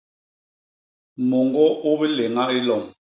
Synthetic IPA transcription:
mɔ˨ŋɡɔ˦ʔo˦be˦le˨ŋa˦i˦lɔ˨m

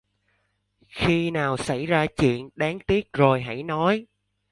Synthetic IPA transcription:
xi˧naː˨˩wsa̰˧˩jzaː˧t͡ɕwḭ˧˨ənɗaː˨˦ŋt̪i˦˥ək̚zo˨˩jɦə̰˧˥˩jnɔ˨˦j

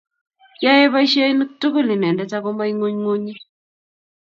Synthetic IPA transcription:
ja˦je˦βa˦i˦ʃa˦i˦ni˦k̚tu˦ku˦li˨nɛ˨ndɛ˦ta˦ko˦mba˦i˦ŋo˦ɲŋo˦ɲi˦

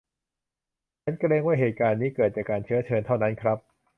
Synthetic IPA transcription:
t͡ɕʰa˦˥nkɾeː˧˥ŋwaː˥˩ɦeː˨˩t̪̚kaː˧nːiː˦˥kɤː˨˩t̪̚t͡ɕaː˨˩kaː˧nt͡ɕʰɯ˦˥ɐt͡ɕʰɤː˧nt̪ʰa˥˩wna˦˥nkʰɾa˦˥p̚

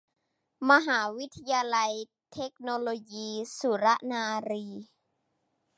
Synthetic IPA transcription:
ma˧ɦaː˩˦wi˦˥t̪ʰːa˧jaː˧la˧j | t̪ʰe˦˥k̚noː˧loː˧jiː˧su˨˩˦ɾa˦˥ʔnaː˧ɾiː˧

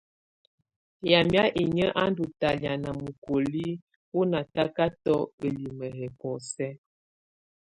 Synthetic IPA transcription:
ja˨mja˦ʔe˨ɲə˦ʔa˦ndu˨ta˨lja˨na˨mu˨ko˨li˦ | wu˦na˨ta˦ka˦tɔ˦ə˨li˨mə˨ɦɛ˨kɔ˨sɛ˦

